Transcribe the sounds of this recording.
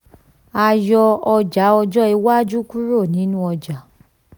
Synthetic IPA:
a˧jɔ˧ɔ˧d͡ʒa˨˦ɔ˧d͡ʒɔ˦i˧wa˦d͡ʒu˦ku˦ɾo˦˨nĩ˨˦nũ˦ɔ˧d͡ʒa˨˦

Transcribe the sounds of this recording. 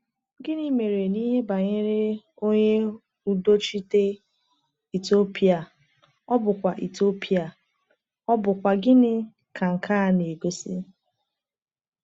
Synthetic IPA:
ɡɪ˦ni˦me˨ɾe˨ni˦ɦe˦ba˨ɲe˦ɾe˦ | o˦ɲe˦ | u˦do˦t͡ʃi˦te˦ | i˨to˦pi˦a˨ | ɔ˦bʊ˨kʷa˨ʔi˨to˦pi˦a˨ | ɔ˦bʊ˨kʷa˨ɡɪ˦nɪ˦ | ka˨ŋ̩˨ka˦˨ne˨ɡo˦si˦

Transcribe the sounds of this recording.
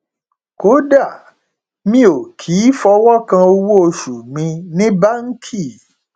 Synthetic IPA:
ko˨˦da˦˨ | mĩ˦o˨kʰi˨˦fɔ˧wɔ˦kã˧o˧wo˦o˧ʃu˨mĩ˧nĩ˦ba˦ŋ̩˦kʰi˦˨

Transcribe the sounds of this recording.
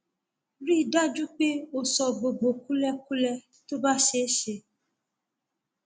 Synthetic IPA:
ɾi˦˨da˦d͡ʒu˦k͡pe˦o˦sɔ˨ɡ͡bo˨ɡ͡bo˨ku˦lɛ˧k̚u˦lɛ˧ | to˦ba˦ʃe˦ʃe˧

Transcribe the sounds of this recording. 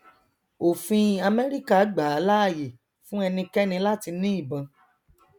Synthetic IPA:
o˨fĩ˧a˧mɛ˦ɾi˦ka˦˨˦ɡ͡ba˨a˨˦la˦a˦˨je˨ | fũ˦ɛ˧nĩ˧kɛ˦nĩ˧la˦ti˧nĩ˦i˦˨bã˨˧

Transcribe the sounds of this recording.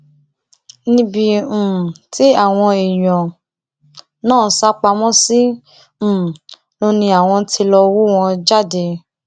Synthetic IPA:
nĩ˧˦bĩ˧˨ti˦a˦˨w̃ɔ̃˧e˨j̃ɔ̃˨ | nãː˦˨˦sa˦k͡pa˧mɔ̃˦sĩ˦˨ | lo˦nĩ˧a˨w̃ɔ̃˧ti˧lɔ˧wo˦w̃ɔ̃˧d͡ʒa˦˨de˧

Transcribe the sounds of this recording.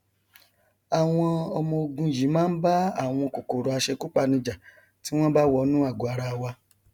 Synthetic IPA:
a˨w̃ɔ̃˧ɔ˧mɔ̃˧o˧ɡũ˧˨ji˨˦mãː˦ba˦a˦˨w̃ɔ̃˧ko˨ko˨ɾo˨˦a˧ʃe˧ku˦k͡pa˧nĩ˧d͡ʒa˨ | ti˨˦w̃ɔ̃˦ba˦wɔ˧˦nũ˦a˦˨ɡo˨˦a˧ɾa˧wa˧

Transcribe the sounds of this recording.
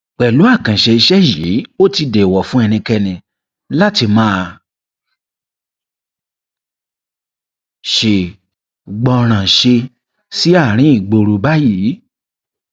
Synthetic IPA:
k͡pɛ˨lu˨˦a˦˨kã˨ʃɛ˧i˧ʃɛ˦ji˨˦o˦ti˧de˨wɔ˨fũ˦ɛ˧nĩ˧kɛ˧nĩ˧ | la˦ti˧mãː˦˧ | ʃe˨ | ɡ͡bɔ˧ɾ̃ã˨ʃe˧ | si˦a˦˨ɾ̃ĩ˦i˦˨ɡ͡bo˧ɾu˧ba˦jiː˨˦

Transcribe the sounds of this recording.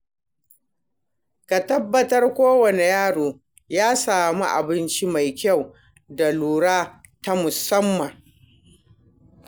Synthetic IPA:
ka˨tɐ˦bːɐ˦tɐ˦rkʷoː˦wɐ˨ne˨jaː˦ɽoː˨ | jaː˦saː˨mu˦ʔa̰˨bɪ˦nt͡ʃi˦ma˨jkʲa˦˨w | da˨luː˨ɽaː˦ | ta˦mʊ˨sɐ˦mːɐ˨ŋ

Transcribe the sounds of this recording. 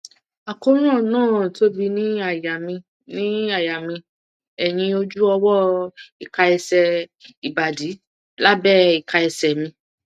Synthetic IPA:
a˨ko˦ɾ̃ã˦˨nãː˦˨to˦bi˧nĩ˦a˦˨ja˨mĩ˧ | nĩ˦a˦˨ja˨mĩ˧ | ɛ˨j̃ĩ˧o˧d͡ʒu˦ɔ˧wɔ˦i˨ka˧ɛ˧sɛ˧i˨ba˨di˨˦ | la˦bɛ˦i˨ka˧ɛ˧sɛ˨mĩ˧

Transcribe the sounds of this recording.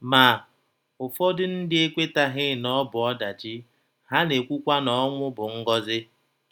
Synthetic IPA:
ma˨ | ʊ˨fɔ˦dʊ˦n̩˦dɪ˦e˦kʷe˦ta˦ɦɪ˦nɔ˦bʊ˨ɔ˦da˨d͡ʒɪ˦ | ɦa˦ne˨kʷu˦kʷa˦nɔ˦ŋʷʊ˦bʊ˨ŋ̩˦ɡɔ˦zɪ˦

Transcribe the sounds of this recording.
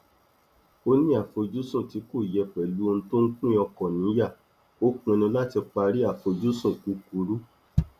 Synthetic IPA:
o˦nĩ˦a˨fo˧d͡ʒu˦sũ˦˨ti˨˦ko˦˨jɛ˧˨k͡pɛ˨lu˨˦˧ñ̩˧to˦ŋ̩˦kũ˦ɔ̃˧kɔ̃˨nĩ˨˦ja˦˨ | o˦kũ˧nĩ˧la˦ti˧k͡pa˧ɾi˦a˦˨fo˧d͡ʒu˦sũ˦˨ku˨˦ku˧˦ɾu˦

